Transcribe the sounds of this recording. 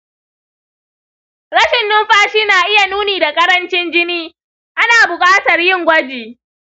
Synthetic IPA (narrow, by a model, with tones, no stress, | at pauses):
ɾɐ˦ʃɪ˨nːʊ˦mɸaː˦ʃiː˦naː˨ʔɪ˦ja˨nuː˦niː˨da˨kʼɐ˦ɾɐ˦nt͡ʃɪ˦nd͡ʒɪ˦niː˦ | ʔa˦naː˨bʊ˨kʼaː˦tɐ˨rjɪ˦˨ŋɡʷɐ˦d͡ʒeː˨